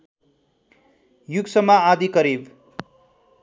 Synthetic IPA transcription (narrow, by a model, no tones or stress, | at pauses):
juɡsʌmaad̪ikʌɾib